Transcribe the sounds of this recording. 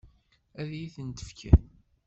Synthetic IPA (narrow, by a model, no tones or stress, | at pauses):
æðjiθənt̪ə̥fkʰæ̰